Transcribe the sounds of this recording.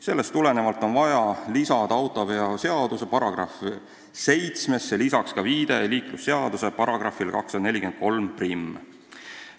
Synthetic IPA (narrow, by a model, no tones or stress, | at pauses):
se̞lːe̞st̪ːule̞ne̞vɑlt̪ːˑo̞nvɑjɑlisɑd̪ɑɑwt̪ːˑo̞veɑse̞ɑd̪̥use̞pɑɾɑɡ̥rɑ̰f | se̞jt̪sme̞sːelisɑkskɑviːd̪̥e̞liːklusːe̞ɑd̪̥use̞pɑɾɑɡ̥rɑfːilkɑksːɑd̪ɑne̞lʲikent̪̚ko̞lmprimː